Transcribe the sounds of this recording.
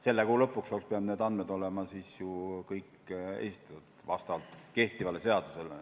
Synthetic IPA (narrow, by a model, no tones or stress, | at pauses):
se̞lːekuːlɤ̞pːˑuksolkspeɑbne̞ːd̪ɑnd̪med̪̥o̞lemɑsiːsjukɤjk | ḛsit̪ˑɑt̪t̪vɑst̪ɑvɑlt̪ˑke̞ht̪ivɑleseɑd̪usel